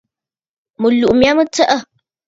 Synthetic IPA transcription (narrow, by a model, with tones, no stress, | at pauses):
mɨ˨lu˨ʔmja˦mə˦tə˦ʔə˦˨